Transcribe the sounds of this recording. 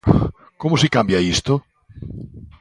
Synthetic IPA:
komosekambjaist̪o

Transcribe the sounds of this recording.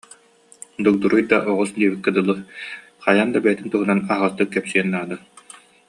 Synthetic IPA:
d̪uk̚d̪uɾujd̪aʔɔʁusd̪iɛbikːɯd̪ɯlˠːɯ | χajand̪abɛjɛt̪int̪uɦunanaɦaʁast̪ːɯkːɛpsiɛnːaːd̪a

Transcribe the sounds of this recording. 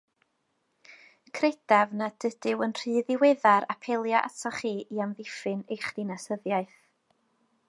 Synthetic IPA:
kʰred̥avnad̥əd̥ɪwənr̥ɨːðɪwɛðaɾapʰelˠjaʔa̰tʰɔχiːʔiamðɪfɨnejχd̥inasəðjaɨθ

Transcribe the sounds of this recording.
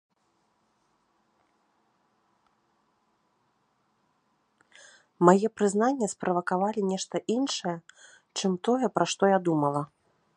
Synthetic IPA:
majɛpɾɨzn̪anʲːɛspɾɐvɐkavalʲinʲɛʂt̪ɐʔinʂɐjɛ | t͡ʂɨmt̪ɔjɛpɾaʂt̪ɔjad̪umɐlˠɐ

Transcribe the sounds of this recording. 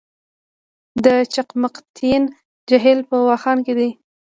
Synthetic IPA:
d̪ət͡ʃaqmaqt̪ʰin | d͡ʒaɦɪlpəwɑxɑnked̪i

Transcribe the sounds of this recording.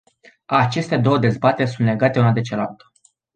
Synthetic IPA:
at͡ʃe̞st̪e̞d̪o̞wəd̪e̞zbat̪e̞rʲs̬unt̪le̞ɡat̪eunad̪e̞t͡ʃelalt̪ə̥

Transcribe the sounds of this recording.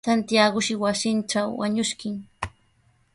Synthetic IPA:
ant̪jaɢʊʃɪwasɪnʈ͡ʂawwa̰ɲʊʃkɪŋ

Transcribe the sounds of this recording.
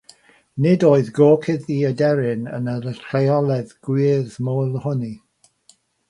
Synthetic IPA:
nɪdoːɨðɡoːkʰɪðiədɛɾɪnə̰nəɾəɬʰlejɔlˠɛðɡ̥wiːrðmoːlˠhʊni

